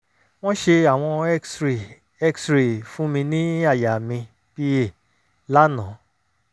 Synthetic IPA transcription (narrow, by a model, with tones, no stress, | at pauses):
w̃ɔ̃˦ʃe˧a˦˨w̃ɔ̃˧ɛ˦si˨ | ɛ˦ksɾi˨fũ˦mĩ˧nĩ˦a˦˨ja˨mĩ˧ | pi˦e˦˨ | la˦nã˨˦